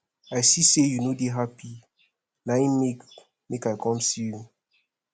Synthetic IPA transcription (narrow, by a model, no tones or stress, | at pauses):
ajsisejunodeɦapi | naĩmek | mekajkɔ̃msiju